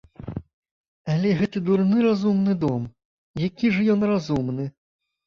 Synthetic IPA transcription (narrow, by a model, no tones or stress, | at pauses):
alʲɛɣɛt̪ɨd̪urnɨɾazumnɨd̪ɔm | jakʲiʐɐjɔnrazumnɨ